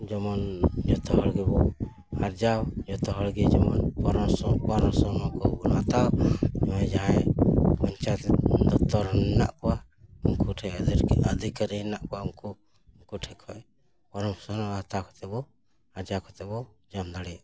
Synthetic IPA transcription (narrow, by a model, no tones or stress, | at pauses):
d͡ʒɔmɔnd͡ʒɔt̪ʰɔɦɔɽɡɛbɔ | haɾd͡ʒawd͡ʒɔt̪ɔɦɔɽɡɛd͡ʒɔmɔnpɔɾɔsɔpɔɾɔsɔnɔkɔbunat̪awd͡ʒɔmãjd͡ʒaɦajmɔɲt͡ʃat̪d̪ɔt̪ɔɾna̰ʔkɔwa | uŋkuʈʰɛd̪əd̪ikəɾinaʔkɔwaumku | uŋkuʈʰɛkʰɔj | pɔɾɔmsɔnɔat̪awkʰɔ̥t̪ɛbɔ | aɾd͡ʒawkʰɔt̪ɛbɔd͡ʒamd̪aɽɛ